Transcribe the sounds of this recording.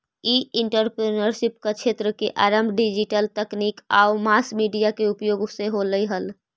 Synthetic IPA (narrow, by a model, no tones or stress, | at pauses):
iɪɳʈəɾpɾenəɾʃɪp̚kat͡ʃʰeːt̪ɾəkeʔaːɾəmbʱɖid͡ʒiʈəlt̪ɛkniːka̰ːʊmaːsmiːɖijakeupjoːɡseɦoləiɦəl